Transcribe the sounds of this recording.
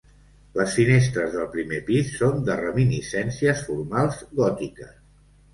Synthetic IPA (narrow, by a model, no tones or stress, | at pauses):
ləsfinest̪ɾəzðəlˠpɾimepisːond̪ərəminisɛnsiəsfurmalˠzɣɔt̪ikəs